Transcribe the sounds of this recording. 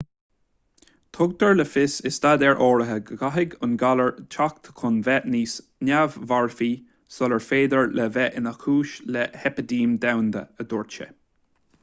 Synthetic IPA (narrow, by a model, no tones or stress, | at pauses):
t̪ʰʊɡ̚d̪əɹləfɪsɪst̪ad̪ɛɹʔɔːɹəɦəɡəɡaɦɪɡʊnɡaləɹt͡ʃʰak̚t̪ʰəkʰʊnvɛʔniːs | nʲavːaɹfiː | sɔləɹfeːd̪əɹlɛvɛʔɪnakʰuːʃlɛhɛpəd̪iːmd̪awnd̪ə̰əd̪ɔɹt͡ʃə̰